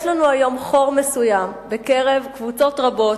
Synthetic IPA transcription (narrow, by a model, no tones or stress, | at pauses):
jʃlanuajo̞mχo̞ʁmesujambe̞keʁe̞vkvut͡so̞tʁabo̞t